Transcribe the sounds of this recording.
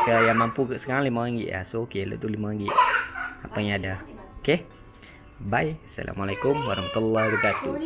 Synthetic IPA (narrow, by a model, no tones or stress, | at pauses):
kəjaŋmampukaʔsə̥kaɾaŋlimaaŋɡiʔa̰sookelə̰ʔt̪ulimaaŋɡiʔapajãada | oke | bajsa̰lʔa̰malajkumwaɾahmat̪ulːaɾikat̪ːu